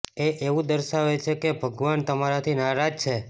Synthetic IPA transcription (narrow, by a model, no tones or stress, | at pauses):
eʔeʋũd̪əɾʃaʋet͡ʃʰekebʱəɡʋant̪əmaɾat̪ʰinaɾad͡ʒt͡ʃʰe